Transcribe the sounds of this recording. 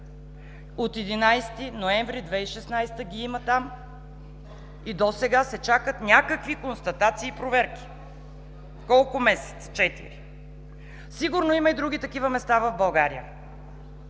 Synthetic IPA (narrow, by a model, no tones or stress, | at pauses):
ot̪ɛd̪inajst̪inoɛɱvɾid̪vɛiʃɛsnajst̪əɡʲiimət̪am | id̪osɛɡasɛt͡ʃakət̪nʲakəkvikonst̪ɐt̪at̪siːpɾovɛɾkʲi̥ | kɔlˠkʊmɛsɛ̥t̪sə̥t͡ʃɛt̪ḭɾi | siɡʊɾnoiməid̪ɾuɡ̟it̪ɐkivəmɛst̪avɐvbɐlˠɡaɾḭə̰